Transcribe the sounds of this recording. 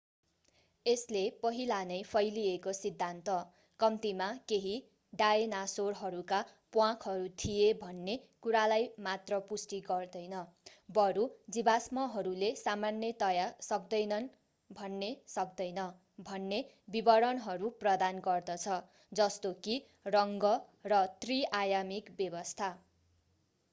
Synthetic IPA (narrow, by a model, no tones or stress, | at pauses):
eslepʌɦilanʌjpʰʌjliekosid̪ʱːant̪ʌ | kʌmt̪imakeɦi | ɖaenasorɦʌɾukapwãkʰɦʌɾut̪ʰijebʱʌnːekuɾalajmat̪rʌpusʈiɡʌrd̪ʌjnʌbʌɾud͡zibasmʌɦʌɾulesamanːjʌt̪ʌjasʌk̚d̪ʌjnʌn | bʱʌnːesʌk̚d̪ʌjnʌ | bʱʌnːe | bibʌɾʌnɦʌɾuprʌd̪anɡʌrd̪ʌt͡sʰʌ | d͡zʌst̪oki | rʌŋɡʌrʌt̪riajamikbjʌbʌst̪ʰa